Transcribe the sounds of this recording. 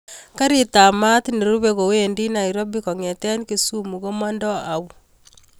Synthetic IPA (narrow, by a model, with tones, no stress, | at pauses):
ka˦ɾi˦ta˨ma˦tineɾu˦βeɣo˨we˨ndi˦na˨iɾo˦bikoŋe˨te˦nike˨sumuɣo˦ma˦ndo˦aβu˨